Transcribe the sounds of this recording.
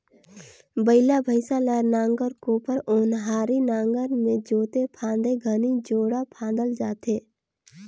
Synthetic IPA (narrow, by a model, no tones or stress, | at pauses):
bəɪlabʱəɪsalɛɾnãːŋɡəɾkoːpəɾoːnɦaːɾinãːŋɡəɾmẽd͡ʒoːt̪epʰãːnd̪eɡʱənid͡ʒoːɽapʰãːnd̪əld͡ʒaːt̪eː